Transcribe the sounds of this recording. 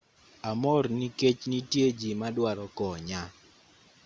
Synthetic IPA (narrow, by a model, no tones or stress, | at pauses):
amɔrniket͡ʃnitjed͡ʒimadwaɾɔkɔɲa